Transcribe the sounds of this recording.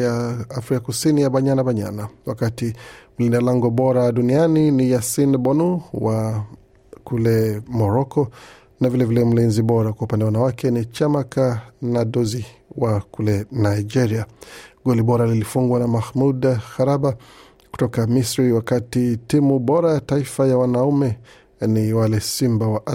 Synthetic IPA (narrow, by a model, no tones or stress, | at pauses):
jaafɾikakusinijaɓaɲanaɓaɲa̰nawakatim̩lindalaŋɡɔɓɔɾaɗunianinijasinɓɔnuwa | kulɛmɔɾɔkɔ | navilɛvilɛm̩linziɓɔɾakwaupandɛwandawakɛnit͡ʃamakanaɗɔziwakulɛnaid͡ʒɛɾiaɡɔliɓɔɾalilifuŋɡwanamahmudxaɾaba | ku̥tɔkamisɾiwakatitimuɓɔɾajataifajawanaumɛ | niwalɛsimbawaʔa